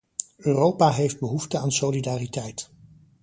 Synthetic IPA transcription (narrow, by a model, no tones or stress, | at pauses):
øːrowpaɦejfd̚bəɦuftəaːnsolidaːritɛjt